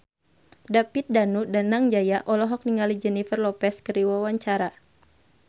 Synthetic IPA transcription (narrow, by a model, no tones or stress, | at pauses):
dapit̪̚danudanaŋd͡ʒajaʔɔlɔɦɔk̚niŋalid͡ʒɛnifərlɔpɛskəɾiwawaɲt͡ʃaɾa